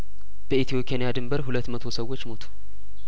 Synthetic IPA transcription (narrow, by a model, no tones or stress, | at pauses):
b̥əit̪ʰijo̞pʰʼianjad̪ɨmbəɾɦulət̪ːmət̪ʰo̞səwːot͡ʃːmo̞t̪ʰu̥